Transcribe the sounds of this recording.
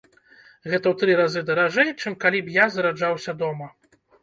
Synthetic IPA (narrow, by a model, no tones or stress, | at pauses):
ɣɛt̪ɐwt̪ɾɨɾazɨd̪ɐɾaʐɛjt͡ʂɨmkalʲibjazɐɾad͡ʐawsʲɐd̪ɔmɐ